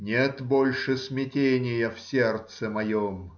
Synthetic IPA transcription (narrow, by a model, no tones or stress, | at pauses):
nʲet̪bolʲʂɨsmʲɪtʲenʲɪjəfsʲert̪səmɐjom